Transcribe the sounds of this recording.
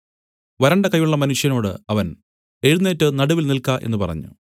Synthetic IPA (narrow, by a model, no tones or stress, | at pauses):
ʋɐɾɐɳɖɐkɐjːuɭːɐmɐnuʂjɐno̞ːɽɨ̰ɐʋɐn | e̞ɻunːeːtːɨnɐɽuʋilnilkaːʔe̞̰nːupɐ̰rɐ̰ɲːṵ